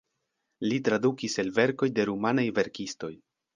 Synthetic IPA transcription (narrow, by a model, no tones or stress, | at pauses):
litɾadukiselve̞ɾko̞jde̞ɾumanajve̞ɾkisto̞j